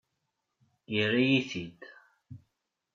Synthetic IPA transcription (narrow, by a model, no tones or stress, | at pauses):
jərijiθid̪